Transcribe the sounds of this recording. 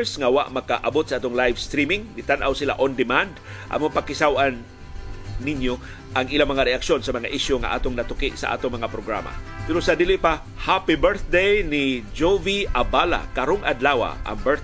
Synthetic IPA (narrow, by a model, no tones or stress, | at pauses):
sŋawa̰ʔmɐkaʔabot̪̚saaːt̪oŋlajvst̪ɾimɪŋɡɪt̪anʔawsɪla̰ʔond̪ɪmand̪ʔa̰mopakɪsawanː | ɪnjo | ʔaŋɪlamɐŋaɾɛʔakʃonsɐmɐŋa̰ʔɪʃjoŋa̰ʔa̰ːt̪oŋnɐt̪ʊkɪʔsa̰ʔa̰ːt̪oŋmɐŋapɾoɡɾa̰ma̰pɪɾosad̪ilɪʔpa | hapibɛɹθd̪ejnɪd͡ʒoviʔabala̰kaɾoŋʔa̰d̪lawa̰ʔɐ̰ŋbɛθ